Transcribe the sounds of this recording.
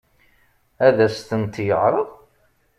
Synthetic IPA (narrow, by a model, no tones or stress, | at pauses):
æðæst̪ənt̪jəʁɾˤəðˤ